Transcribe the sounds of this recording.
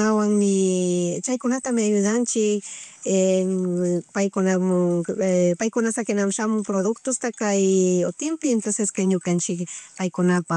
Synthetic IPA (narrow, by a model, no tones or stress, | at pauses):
awaŋmɪt͡ʃajkʊnat̪amɪajʊðant͡ʃɪke | pajkonam | pajkʊnasakenamʃamʊpɾoðʊkt̪ost̪akajot̪ɪmpɪent̪onseskajɲʊkant͡ʃɪkpajkʊnapa